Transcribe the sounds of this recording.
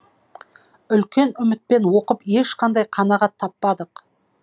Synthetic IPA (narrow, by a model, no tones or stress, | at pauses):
ʏlkʲe̞nʏmɪt̪̚pe̞nwo̞qəpe̞ʃqʰɑnd̪ɑjqʰɑnɑʁɑt̪ʰːɑpːɑd̪əq